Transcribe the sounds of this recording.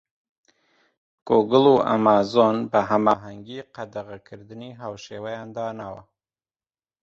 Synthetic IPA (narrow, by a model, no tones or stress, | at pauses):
koɡəluʔa̰mɑːzonbɐɦamɑːɦaŋɡiːqad̪aɣakʰɨɾd̪ɨniɦaːwʃeːwajɑːnd̪ɑːnawɐ̰